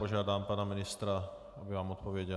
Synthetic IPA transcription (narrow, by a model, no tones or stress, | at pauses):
ɔʒɪad̪aːmpaːnaminist̪ɾa | abiʋaːmɔt̪̚pɔʋɪɛɟɛ